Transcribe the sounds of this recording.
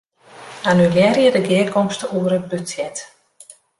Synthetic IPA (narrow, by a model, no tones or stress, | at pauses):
anyljɛrjədəɡɪəkʰɔmstəuəɾət̚bøsjɛt